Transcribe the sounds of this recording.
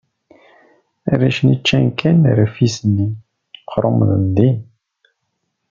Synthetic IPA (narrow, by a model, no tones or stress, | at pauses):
æ̰ɾæʃnit͡ʃːænkʰæn̰ɾæfisənːi | qɾˤomðənd̪in